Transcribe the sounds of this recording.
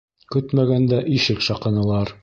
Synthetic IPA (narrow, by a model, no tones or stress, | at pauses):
kɵt̪mæɡænd̪æʔiʃɘkʃɑqɤ̆nɤ̆lˠɑɾ